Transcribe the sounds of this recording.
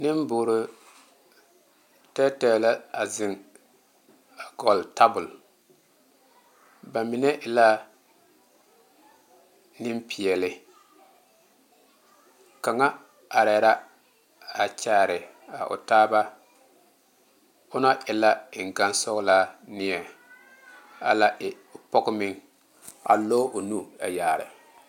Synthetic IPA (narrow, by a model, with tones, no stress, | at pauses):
nɪ˦m˦bʊ˨˦ɾʊ˦ | tɛ˦tɛ˨la˦a˨zɪ˨ŋ | a˨ɡɔ˨lta˦bʊ˨l | ba˨mi˨nɛ˦ʔɪ˨la˦ | nɪ˦mpi˨ɛ˨lɪ˨ | ka˨ŋa˦ | a˨ɾɛ˨˦ɾa˦ | a˨t͡ʃaː˦˨ɾɪ˨ | a̰˨ʔʊ̰˨taː˦ba˦ | ʊ˦na˦ʔɪ˨la˦ɪ˨ŋ˨ɡa˦n˦sɔ˦ɣla˦nɪ˦ɛ˨ | a̰˨la˦ʔɪ˨pɔ˦ɡʊ˦mɪ̃˦ŋ | a̰˨lo˦ʔʊ˨nu˦a˨jaː˨ɾɪ̰˨